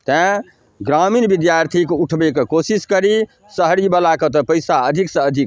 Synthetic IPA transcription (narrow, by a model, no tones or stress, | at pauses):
t̪ɛ̃ | ɡɾaminbid̪jaɾt̪ʰikuʈʰbekekosiskəɾi | səɦɾibəlakət̪̬əpəɪsaəd̪ʱiksə̃əd̪ʱik